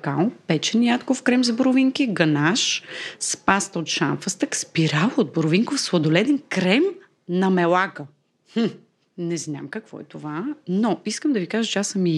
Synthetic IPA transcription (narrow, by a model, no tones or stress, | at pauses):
kalpɛt͡ʃɛnjat̪kofkɾɛmzboɾʊviŋkiɡɐnaʃspast̪ot̪ʃa̰nfəst̪əkspiɾalˠod̪̚boɾoviŋkofsvˠɐd̪olɛd̪ɛnkɾɛm | nɐmɛlakə | h̩ | nɛzna̰mkɐkvɔ̰ɛt̪ovanɔiskəmd̪ɐvikaʒət͡ʃɛasəmi